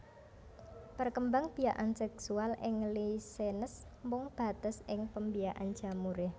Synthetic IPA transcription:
pərkəmbaŋb̥ijaʔansɛksualʔɪŋlisenəs | mʊŋb̥a̤t̪əsɪŋpəmbijaʔa̰n̥ʒ̥amuɾɪh

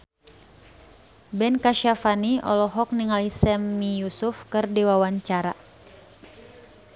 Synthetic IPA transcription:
bɛnkaʃafaniʔɔ̰lɔɦɔk̚niŋalisɛmːijusufkɨrdiwawaɲt͡ʃaɾa

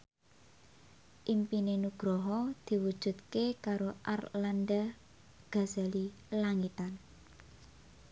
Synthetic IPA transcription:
ʔimpinenuɡ̥ɾɔɦɔd̪̥i̤wud̥ʒ̥ṳt̪̚kekaɾoʔarlanda | ɡ̥a̤z̥ali | laŋit̪an

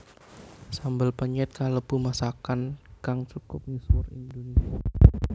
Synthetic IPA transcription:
sambəlpəɲɛt̪̚kaləb̥umasakankaŋt͡ʃukʊp̚ɲusʊrḭnd̪onisia

